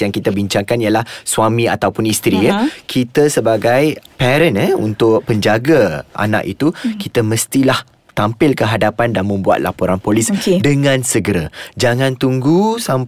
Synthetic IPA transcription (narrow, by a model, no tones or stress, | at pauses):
jaŋkit̪abiɲt͡ʃaŋkanjalahswamĩa̰t̪awpʊnist̪ɾijəkʰit̪əsəbaɡajpɛɾənəṵnt̪ʊʔ̚pəɲd͡ʒaɡaʔa̰na̰ʔḭt̪ukit̪əməst̪ilah | t̪ampɪlkəɦadapandanmə̃mbua̰t̪̚lʔa̰poɾanpoliskdəŋãnsəɡəɾad͡ʒaŋãnt̪uŋɡusam